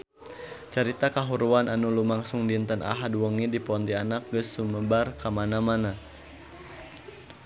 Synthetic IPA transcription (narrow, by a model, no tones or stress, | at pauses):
t͡ʃəɾit̪akaɦuɾuanʔanulumaŋsuŋdint̪ənʔa̰ɦadwəŋidipɔnt̪ianak̚ɡəsːuməbarkamanamana